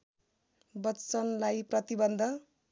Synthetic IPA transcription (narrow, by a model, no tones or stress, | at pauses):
bʌt͡sʌnlajprʌt̪ibʌnd̪ʱʌ